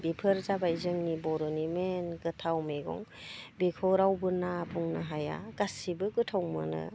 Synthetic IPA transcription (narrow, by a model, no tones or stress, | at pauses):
bipʰɯɾzabaizɯŋnibɔɾɔnimenɡɯtʰawmeɡɔ̰ŋbikʰɔɾawbɯnabʰuŋnaɦaja̰ɡ̥asibɯɡɯtʰawmɯ̰nɯ̰